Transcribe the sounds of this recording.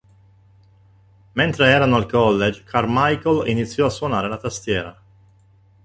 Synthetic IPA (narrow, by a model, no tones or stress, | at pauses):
ment̪ɾeɛːɾanoalkɔlːed͡ʒkʰarmajkolḭnit̪sːjɔasːwɔnaːɾelat̪ast̪jɛːɾa